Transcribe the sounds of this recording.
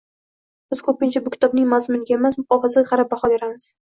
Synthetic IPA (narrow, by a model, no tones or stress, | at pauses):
b̥ɪz̥kʰɵpɪnt͡ʃʰabʊkʲʰt̪ʰɒbnɪŋmazmʊnɪɡʲaemasmʊχɒfazaɡʲaʁɑɾab̚baχɒd̪eɾamɪz̥